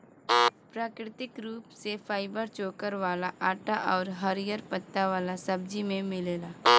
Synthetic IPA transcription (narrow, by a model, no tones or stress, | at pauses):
pɾaːkɾɪt̪ɪkɾuːpsefʰaːɪbəɾt͡ʃoːkəɾʋaːlaʔaːʈaʔɔːɾɦɐɾijəɾpət̪ːaʋaːlasɐb̚d͡ʒimẽmɪleːlaː